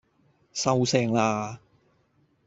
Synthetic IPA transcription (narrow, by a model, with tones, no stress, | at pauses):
sɐ˧wsɛː˧˩ŋlaː˧